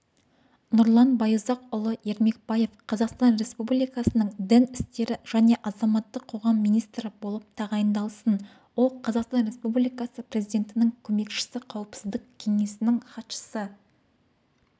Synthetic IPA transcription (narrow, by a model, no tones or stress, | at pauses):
nʊɾlˠɑnbɑjuzɑqʊlˠəe̞ɾme̞k̚bɑje̞fqʰɑzɑqst̪ɑnre̞spublijkɑsənəɴd̪ɪnɪst̪e̞ɾɪʒ̥æne̞ʔɑzɑmɑt̪ːəqʰo̞ʁɑmːijnijst̪ɾɪbo̞lˠəp̚t̪ʰɑʁɑjənd̪ɑlˠsən | wo̞lˠqʰɑzɑqst̪ɑnɾe̞spublijkɑsəprʲe̞zijd̪ʲe̞nt̪ɪnɪŋkʲʰɵme̞kʃɪ̥sɪqʰɑwəpsɪzd̪ɪkkʲʰe̞ŋe̞sɪnɪŋχɑt̪ʃə̥sə